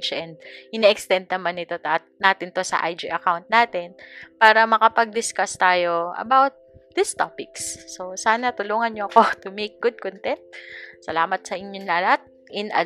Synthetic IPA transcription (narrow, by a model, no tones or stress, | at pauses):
t͡ʃʔɛnd̪̚ʔɪnɛʔɛkst̪ɛnd̪̚nɐmanːɪt̪o̞t̪ɐ | naːt̪ɪnt̪osɐ̰ʔa̰jd͡ʒɪʔɐkawnt̪̚naːt̪ɛnpaːɾɐmɐkɐpɐɡ̚d̪ɪskast̪aːjoʔɐ̰bawt̪̚d̪ɪst̪opɪksːosaːnɐt̪ʊluːŋɐnɲoɐko̞t̪ʊmejk̚ɡʊd̪̚kont̪ɛnt̪̚sɐlaːmɐt̪sɐʔɪɲɲoŋlaːlɐt̪̚ | ʔɪnɐ̰